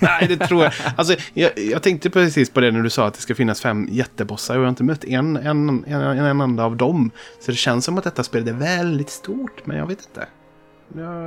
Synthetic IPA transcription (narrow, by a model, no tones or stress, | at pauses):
nɛɪd̪ɛt̪ʰɾuːɾjaals̬ɔjɑjɑɡt̪ʰɛŋkt̪əpʰɾɛsiːspʰɔd̪ɛnæɖɵsɑːat̪̚d̪ɛskafɪnːasfɛmːjɛt̪ːəbɔsaɾɔajaɪnt̪əmœt̪ːɛnɛnɛɛnɛnɛnd̪aːvd̪ɔmsɔd̪ɛɕɛnsːɔmat̪̚d̪ɛt̪ːaspeːld̪æɾvɛld̪ɪt̪st̪uːʈmɛ̰njɑ̰ɡveːt̪ɪnt̪ʰə̰